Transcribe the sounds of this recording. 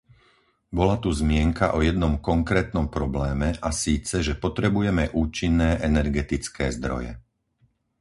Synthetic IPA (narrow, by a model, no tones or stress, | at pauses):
bɔlat̪uzmɪɛŋkaʔɔjɛd̪nɔmkɔŋkɾɛːt̪nɔmpɾɔblɛːmɛʔasiːt͡sɛʒɛpɔt̪ɾɛbujɛmɛʔuːt͡ʃinːɛːʔɛnɛɾɡɛt̪it͡skɛːzd̪ɾɔ̰jɛ̰